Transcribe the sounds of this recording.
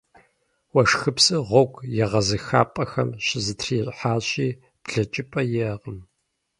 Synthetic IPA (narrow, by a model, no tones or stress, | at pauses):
wɐʂxɨpsɨʁʷɔɡʷjɛʁɐzɨxa̰ːpʼɐxɐ̰mɕɪzɨtʰriːɕʼħaːɕiː | b̥ɮɐt͡ʃʼɪpʼɐjɛʁəm